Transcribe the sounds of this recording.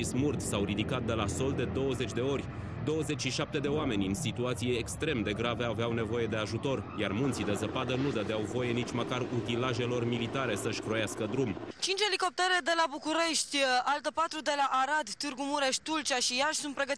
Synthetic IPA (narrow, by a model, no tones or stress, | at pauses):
ismurt̪sawrid̪ikat̪̚d̪e̞laso̞ld̪e̞d̪o̞wəze̞t͡ʃʲd̪e̞o̞rʲ | d̪o̞wəze̞t͡ʃʲʃiʃap̚t̪e̞d̪e̞oame̞nʲɨnsit̪uat̪sijeːkst̪ɾe̞md̪e̞ɡɾaveaveawne̞vo̞je̞d̪e̞aʒut̪o̞rjarmunt̪sid̪e̞zəpad̪ənud̪əd̪eawvo̞jenit͡ʃməkarut̪ilaʒe̞lo̞rmilit̪aɾe̞səʃʲkɾo̞jaskəd̪ɾumt͡ʃint͡ʃe̞liko̞p̚t̪eɾe̞d̪e̞labukuɾe̞ʃt̪ʲalt̪əpat̪ɾud̪e̞laʔaɾad̪t̪ɨrɡumuɾe̞ʃ̚ʲt̪ult͡ʃaʃijaʃsunt̪pɾe̞ɡət̪